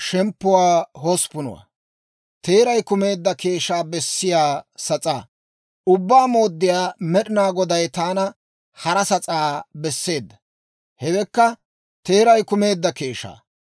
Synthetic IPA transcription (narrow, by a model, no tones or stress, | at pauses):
ʃɛmpːʊwaːɦɔspʊnʊ̰wa̰ | t̪e̞ːɾɐjkʊme̞ːd̪ːɐke̞ːʃaːbɛsːɪjaːsɐt͡sʼaː | ʊbːaːmo̞ːd̪ːɪjaːmɛɗɪnaːɡɔd̪ɐjt̪aːnɐ | hɐɾɐsɐt͡sʼaːbɛsːe̞ːd̪ːɐ̥ | hɛwɛkːɐ | t̪e̞ːɾɐjkʊme̞ːd̪ːɐke̞ːʃa̰ː